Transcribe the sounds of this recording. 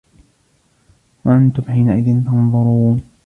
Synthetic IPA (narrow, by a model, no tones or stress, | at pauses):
waʔant̪ʊmħiːnaʔɪðɪnt̪ɑnðˤʊɾuːn